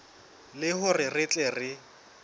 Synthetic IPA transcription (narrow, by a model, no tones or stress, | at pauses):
lɪhʊrɪrɪt͡ɬʼɛrɪ